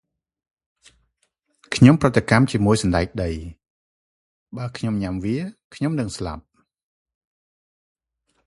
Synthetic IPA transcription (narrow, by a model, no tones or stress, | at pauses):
kʰɲomprɨt̪ːekamt͡ɕiəmuəjsɑnɗaɛk̚ɗəj | ɓaːkʰɲomɲamʋiəkʰɲomnɨŋsla̰p̚